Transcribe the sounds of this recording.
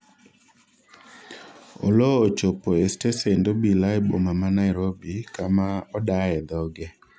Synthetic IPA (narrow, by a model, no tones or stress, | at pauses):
o̰lɔot͡ʃopoestesendobilaɪbomamanaɪɾobikamaɔdaɛd̪ɔɡɛ